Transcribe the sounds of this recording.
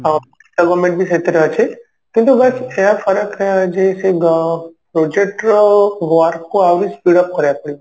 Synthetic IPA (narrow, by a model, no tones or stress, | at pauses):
aki̥saɡomẽɳʈ̚bʱisət̪eɾəɦət͡ʃʰe | kĩnt̪ubɐsejafəɾəkd͡ʒeseɡpɾod͡ʒek̚ʈɡʋaɾkkoaʋɾispiɽəp̚kəɾjapəɽi